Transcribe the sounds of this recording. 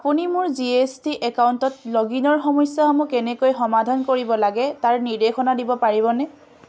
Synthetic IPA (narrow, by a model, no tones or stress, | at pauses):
apunimʊɹziestiʔɛkawuntɔtloɡinɔɹxɔmɔjsjamukɛnɛkojxɔmadʱankoɹibɔlaɡɛtaɹniɹdexɔnadibɔpaɹibɔnɛ